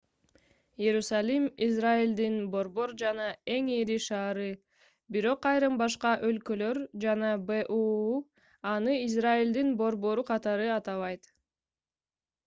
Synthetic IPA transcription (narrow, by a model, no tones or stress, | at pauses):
je̞ɾusalʲimizraild̪inbo̞ɾbo̞ɾd͡ʒɑnɑe̞ŋeɾiʃɑːɾɯ | biɾo̞qɑjɾɯmbɑʃ̬qɑʔølkø̞løɾd͡ʒɑnɑbeʔu | ɑnɯizraild̪inbo̞ɾbo̞ɾuqʰɑt̪ɑɾɯɑt̪ɑβɑjt̪